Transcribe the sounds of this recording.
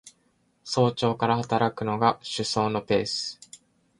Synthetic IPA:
so̞ːt͡ɕo̞ːkaɾahat̪aɾakɯ̟no̞ɡaɕɨso̞ːno̞pe̞̰ːsɨ̥

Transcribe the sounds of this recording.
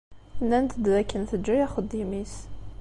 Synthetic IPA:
nːænt̪ʰd̪ðækʰːənθəd͡ʒːəjæχəd̪ːimis

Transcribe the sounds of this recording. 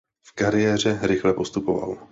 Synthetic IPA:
fkaɾɪjɛːr̝ɛɾɪxlɛpo̞st̪upova̰l

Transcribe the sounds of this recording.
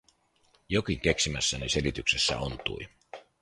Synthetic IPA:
jo̞kiŋk̟e̞ksimæsːænese̞lit̪ykse̞sːæ̰ont̪ṵj

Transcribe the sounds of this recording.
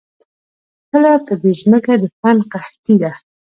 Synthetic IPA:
kəlapəd̪eʒməkad̪əfanqaht̪id̪a

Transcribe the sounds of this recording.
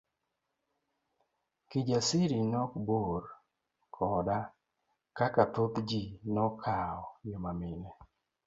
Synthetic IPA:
kid͡ʒasiɾinɔkboɾ | kʰɔda | kakatot̪d͡ʒinɔkʰaɔjomamɪnɛ

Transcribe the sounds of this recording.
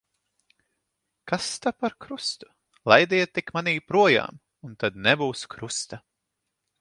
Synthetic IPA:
kast̪apaɾkɾust̪u̥ | lˠajd̪iɛt̪ːikmaniːpɾuɔja̰ːm | unt̪ad̪nɛbuːskɾust̪a

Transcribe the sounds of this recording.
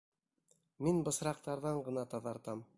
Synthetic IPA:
minbɤ̆sɾɑq̚t̪ɑɾðɑɴɢɤ̆nɑt̪ɑðɑɾt̪ɑm

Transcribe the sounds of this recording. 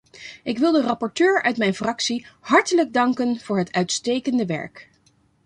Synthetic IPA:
ɪkʋɪlˠdərɑpɔɹtøːɹœ̰ɥtmɛjnfrɑksiɦɑɹtələɡ̚dɑŋkənv̥ʊːɹɦətœɥtstejkəndəʋɛ̰ɹk

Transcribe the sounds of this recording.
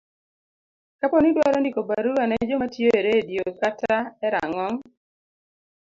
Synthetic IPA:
kapɔnidwaɾɔndikobaɾuɾanɛd͡ʒomatjoeɾediokataɛɾa̰ŋɔŋ

